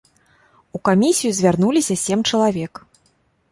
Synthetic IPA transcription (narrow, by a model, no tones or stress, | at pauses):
ukamʲisʲijuzʲvʲarn̪ulʲisʲɐsʲeɛmt͡ʂɐlˠavʲɛk